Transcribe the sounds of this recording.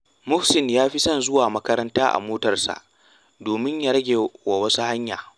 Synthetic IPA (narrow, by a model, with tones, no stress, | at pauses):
mʊ˦hsɪ˨njaː˦ɸi˦sɐ˦nzʊ˦waː˨mɐ˦kɐ˦ɾɐ˦ntaː˦ʔa̰˨moː˦tɐ˨rsa̰˨ʔ | doː˨mɪ˦ɲjaː˦ɾɐ˦ɡʲeː˨wa˨wɐ˦su˦ha˦ɲjaː˨